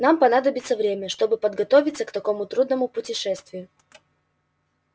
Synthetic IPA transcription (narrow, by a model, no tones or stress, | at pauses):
nampɐnad̪əbʲɪt̪səvɾʲemʲəʂt̪o̞bɨpəd̪ɡɐt̪o̞vʲɪt̪səkt̪ɐko̞mʊt̪ɾud̪nəmʊpʊtʲɪʂɛst̪vʲɪjʊ